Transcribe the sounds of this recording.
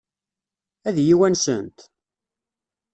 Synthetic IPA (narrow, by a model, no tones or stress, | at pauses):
æðjiwænsə̰nt̪